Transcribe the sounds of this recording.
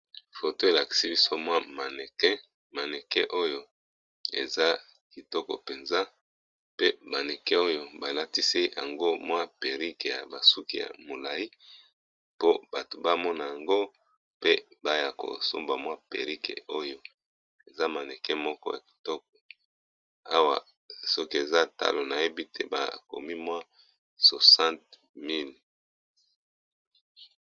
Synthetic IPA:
fo˨to˦e˨la˨ki̥˨si˦bi˦so˦mwa˦ma˨nɛ˨kɛ˦ | ma˨nɛ˨kɛ˦ʔo˦jo˦ | ḛ˨za˦ | ki˨tɔ˦kɔ̰˨pe˨nza˦ | pe˦ba˨ne˨kɛ˦o˦jo˦ba˨la˦ti˦si˦ja̰˨ŋɡo˦mwa˦pe˨ʁi˦ke˨ja̰˨ba˨su˦kḭ˦˨ja̰˨mo˨la˨i˦ | po˦b̥a˨to˨ba˦mɔ˦na˨ja˨ŋɡo˦ | pe˦ba˦ja˨ko̰˨so̰˦mba˨mwa˦pḛ˨ʁi˦kḛ˨o˦jo˦ | e˨za˦ma˨ne˨kɛ˦mɔ˦kɔ˦ja˨ki̥˨tɔ˦k̚ɔ˨ | a˦wa˨ | so˦ki˦e˨za˦ta̰˦lo˨na˨je˦bi˦te˦ba̰˨ko̰˨mi˦mwa˦ | so˨sã˦nt̚ | mi˦˨l

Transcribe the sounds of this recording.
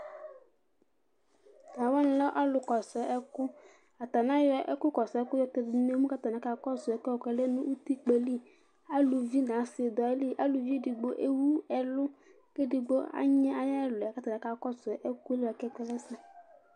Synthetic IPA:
nã˨wɔ˦n˦lɔ˦ʔa˦lʊ˨kɔ˨sɔ˨˦ʔɛ˦kʊ˦ | a˨t̪a˨nã˦jɔ˦ʔɛ˦kʊ˦kɔ˨sɔ˨ɛ˦kʊ˦jɔ˦ke˨dne˦mũ˦ka˦t̪a˨nã˨˦ka˨kɔ˦sɔ˨ɛ˨kɛ˦ɔ˨kɛ˨le˦nũ˦ʔu˦t̪i˦k͡pe˨li˦ | a˦lu˨vi˦nã˨˦sɪ˨d̪ɔ˨e˦li˦ʔa˦lu˨vi˦˨di˨ɡ͡bo˦ʔe˦wu˦ɛ˨lʊ˦ | ke˦di˨ɡ͡bo˦a̰˦ɲɛ̃˦a˨ja˦ɛ˦˨lʊ˨ka˦t̪a˨nã˨˦ka˨kɔ˦sɛ˨˦ʔe˦ku˦e˦li˦ɛ˨kɛ˦kɛ˦lɛ˦si˨

